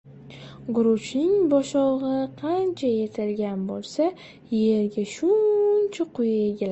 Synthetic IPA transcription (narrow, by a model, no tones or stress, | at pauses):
ɡʊɾʊt͡ʃnɪŋbɒʃɒʁɨqʰɑnt͡ʃʰaje̞t̪ʰɪlɡʲanbolˠsa | je̞ɾɡʲaʃʊnt͡ʃʰaqʰʊjaeɡʲɪl